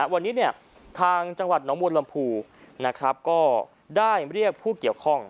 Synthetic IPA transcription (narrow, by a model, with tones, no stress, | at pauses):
wa˧nːiː˦˥ni˥˩ə | t̪ʰaː˧ŋt͡ɕa˧ŋwa˨˩t̪̚nɔː˩˦˥mu˧ənla˧mpʰuː˧na˦˥kʰɾa˦˥p̚kɔː˥˩ | daː˥˩jɾi˥˩ək̚pʰuː˥˩ki˨˩əwkʰɔ˥˩ŋ